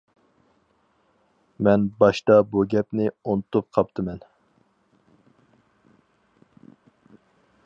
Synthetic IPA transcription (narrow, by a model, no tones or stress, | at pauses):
mɛnbɑʃt̪ɑbuɡʲɛpnɪont̪up̚qʰɑp̚t̪ʰɨmɛn